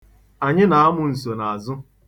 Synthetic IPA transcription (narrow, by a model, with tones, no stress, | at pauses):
a˨ɲɪ˦na˨a˦mʊ˨n̩˨so˨na˨a˨zʊ˦